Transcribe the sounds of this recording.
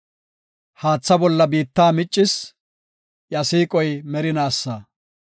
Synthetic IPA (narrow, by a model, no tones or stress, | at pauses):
haːt͡sːɐbɔlːɐbiːt̪ːaːmɪt͡ʃʼːɪs | jɐsiːkʼɔjmɛɾɪnaːsːaː